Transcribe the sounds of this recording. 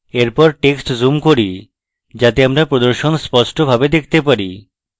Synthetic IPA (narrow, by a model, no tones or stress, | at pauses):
eɾpɔɾʈeksʈzumkoɾi | d͡ʑat̪eamɾapɾod̪oɾʃonspɔʃʈobʱabed̪ek̚ʰt̪epaɾḭ